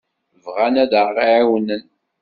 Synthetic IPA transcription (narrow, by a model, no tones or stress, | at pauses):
vʁænæd̪əɾʁiʕiwənːən